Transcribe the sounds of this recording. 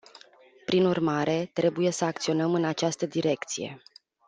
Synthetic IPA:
pɾinurmaɾe̞t̪ɾe̞buje̞səak̚t̪sio̞nəmɨnat͡ʃast̪əd̪iɾe̞kt̪sije̞̰

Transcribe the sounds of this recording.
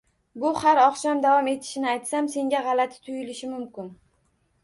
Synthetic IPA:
bʊhaɾɒχʃamd̪avɒme̞t̪ʰɪ̥ʃɪnɪajt̪samse̞ŋɡʲaʁɑlat̪ʰɪ̥t̪ʰʊjɪlɪʃɪmʊmkʲɪn

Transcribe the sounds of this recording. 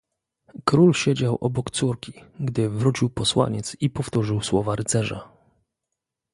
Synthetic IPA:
kɾulɕed͡ʑawʔɔbɔkt̪suɾkʲi̥ɡd̪ɘvɾut͡ɕiwpɔswa̰ɲɛt̪sipɔft̪uʐɘwswɔvaɾɘt̪sɛʐa̰

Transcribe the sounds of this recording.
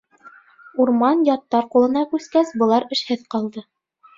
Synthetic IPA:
uɾmɑnjɑt̪ːɑɾqulˠɤ̆nɑkʉskæsbɤ̆lˠɑɾɘ̆ʃhɘðqɑlˠd̪ɤ

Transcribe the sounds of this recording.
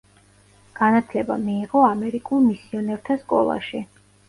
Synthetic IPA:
ɡ̥anat̪ʰlɛba̰miːʁɔamɛɾikʼulˠmisiɔnɛɾt̪ʰaskʼɔ̰lˠa̰ʃi

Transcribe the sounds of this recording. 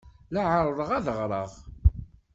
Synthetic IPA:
laʕəɾˤðˤəʁæðəʁɾˤəʁ

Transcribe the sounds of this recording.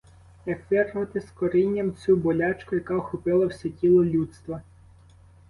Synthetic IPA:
jɐkʋɪrɦɐt̪ɪskɔɾɪnʲːɐmt͡sʲubɔlʲɑt͡ʃkʊjɐkɑxʊpɪlˠɐwsʲɛtʲilˠɔlʲut̪st̪ʋɐ

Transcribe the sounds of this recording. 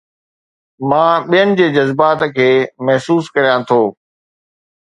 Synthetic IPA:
mãːɓijənɪ̆d͡ʑeːd͡ʑɐzbaːt̪kʰeːmɐɦsuːskɐɾijãt̪ʰoː

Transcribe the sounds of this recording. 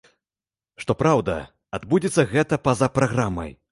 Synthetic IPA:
ʂt̪ɔpɾawd̪ɐ̰ | ad̪bud͡zʲit̪sːɐɣɛt̪ɐpɐzapɾaɣɾamɐ̰j

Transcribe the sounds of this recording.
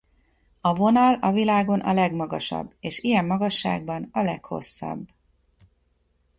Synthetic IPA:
ɒvo̞nɒlɒvilaːɡo̞nʔɒlɛɡmɒɡɒʃɒ̰bːeːʃijɛmːɒɡɒʃːa̰ːɡ̚bɒnɒlɛkho̞̰sːɒ̰b

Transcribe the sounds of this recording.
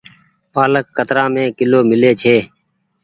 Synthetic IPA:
paːləkːət̪ɾãːmẽːkɪloːmɪleːt͡ʃʰeː

